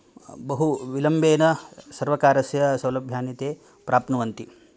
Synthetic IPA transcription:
bɐɦuʋilɐmbeːnɐsɐɾʋɐkaːɾɐsjɐsɐwlɐbʱjaːnit̪eː | pɾʔaːpnɐʋɐnt̪i

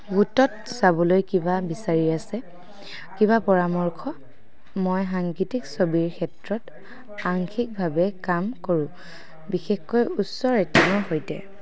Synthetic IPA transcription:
ɡutɔt̚sabɔlojkibabisaɹiasɛ | kibapɔɹamɔɹkʰɔ | mojɦaŋkitiksobiɹkʰɛtɹɔt | aŋkʰik̚bʱabɛkamkoɹʊ̃ | bixɛxkojusɔɹetinɔɦojtɛ̰

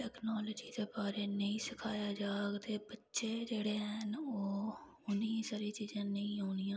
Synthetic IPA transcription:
ʈɛːknɔːləːd͡ʒiːd̪eːbaːɾeːnəĩːsɪkʰaːjaːd͡ʒaːɡt̪eːbətːʃeːd͡ʒeːɽeːɦɛnoː | ʊnĩːsaːɾiːt͡ʃiːzãːnəĩːɦoːnɪjãː

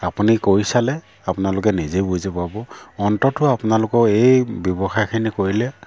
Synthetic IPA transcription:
apunikoɹisalɛ | apʊnalʊk̬ɛnizebujzepabɔɔntɔtʊapʊnalʊkɔejbjɔbɔxajkʰinikoɹilɛ

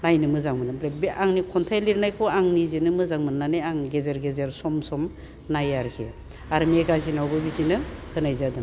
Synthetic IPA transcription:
najnɯmɯzaŋmɯnɯbɾebiaŋnikʰɔntʰajliɾnajkʰɯwaŋnizinɯmɯzaŋmɯnnanejaŋɡezeɾɡezeɾsɔmsɔm | najaɾkʰḛ | aɾmeɡazinawɡɯbidinɯhʰɯnajzadɯŋ

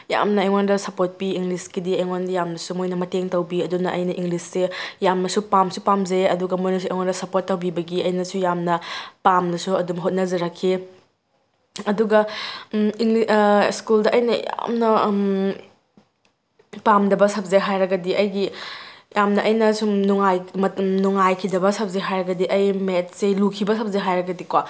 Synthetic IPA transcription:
ja̰mnɐɐjŋondɐsɐpot̚piiŋliskidiɐjŋondɐjamnɐsumojnɐmɐteŋtɐwbiɐdunɐʔɐjnɐʔiŋɡlisːejamnɐsupamsupamzeɐduɡɐmojnɐs̬ueŋondɐsɐpotːawbibɐɡiɐjnɐsujamnɐpamnɐsuɐdumɦot̚nɐzɐɾɐkʰːi | ɐduɡɐ | iŋliskuldɐʔɐjnɐja̰mnɐ | pamdɐbɐsɐp̚zeɦajɾɐɡɐdiʔɐjɡijamnɐʔɐjnɐsunuŋajmɐnuŋajkʰidɐbɐsɐp̚zeɦajɾɐɡɐdiʔɐjmet̚selukʰibɐs̬ʰɐp̚zeɦajɾɐɡɐdikwa

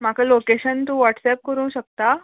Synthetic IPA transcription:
makalokeɕənt̪ũːʋɔʈsɛp̚kəɾũːɕək̚t̪a

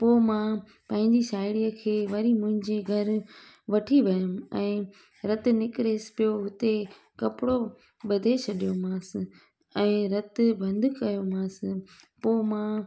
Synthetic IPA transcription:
poːmã | pãɦɪ̃ɲd͡ʑiʃaːɪɽijəkʰeːʋɐɾimʊ̃ɦɪ̃ɲd͡ʑeɡʱɐɾ | ʋɐʈʰiʋɐjʊmɛ̃ː | ɾɐt̪̆nɪkɪɾesɪ̥pijoɦʊt̪e | kɐpɪɽo | ɓɐd̪ʱet͡ɕʰɐɗijomãːsɪ | ɛ̃ːɾɐt̪bʱɐ̃nd̪ʱʊkɐjomãːsɪpoːmã

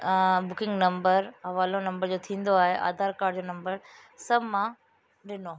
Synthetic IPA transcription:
bʊkɪ̃ŋɡnɐ̃mbəɾɦɐʋaːlonɐ̃mbəɾd͡ʑoːt̪ʰĩːn̆d̪oaːɦeʔa̰ːd̪ʱaːɾkaːɾɖd͡ʑoːnɐ̃mbəɾ | sɐbmã | ɗɪno

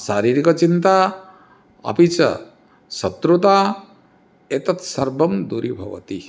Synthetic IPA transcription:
saɾiɾikɔt͡ʃint̪a | ɐ̰pit͡ʃɐ̰ | sɐt̪ɾut̪a | et̪ɐt̪sɐɾbʱɐmd̪uɾibʱʌ̰ʋɐ̰t̪i

